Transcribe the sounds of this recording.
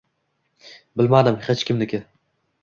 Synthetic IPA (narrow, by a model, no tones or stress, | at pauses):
bɪlmad̪ɪmhet͡ʃkʲɪmnɪkʲɪ